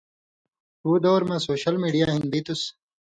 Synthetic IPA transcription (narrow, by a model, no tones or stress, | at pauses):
uːd̪oːɾmɐ̃soːɕɐlmiːɖijaːɦĩnd̪it̪us